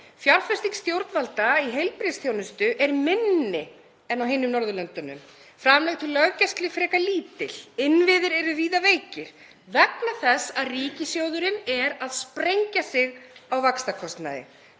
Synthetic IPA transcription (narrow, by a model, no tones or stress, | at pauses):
fjaɾfɛst̪iŋst̪jowɾt̪nvalt̪aiɦejlpɾɪsθʰjoːwnʏst̪ʏʔɛɾmɪnːɪ | ɛnawɦɪnːʏmnɔɾðʏlœnt̪ʏnʏ̰m | fɾamlɛɣt̪ʰɪlœɣcast̪lɪfɾɛːkaliːt̪ɪl̥ɪnvɪðɪɾɛɾʏviːðaveːjcɪɾ̥ | vɛknaθɛsːaðriːcɪsjowðʏɾɪnɛɾaðspɾejɲcasɪɣawvakst̪akʰɔst̪na̰ðɪ̰